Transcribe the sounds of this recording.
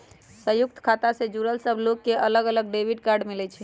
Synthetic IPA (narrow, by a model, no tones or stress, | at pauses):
səjuk̚t̪ʰkʰat̪asẽd͡ʒuɾəlsəbʱlokːeʔələɡələɡɖebʱiɖkaɾɖmilɛt͡ʃʰɛ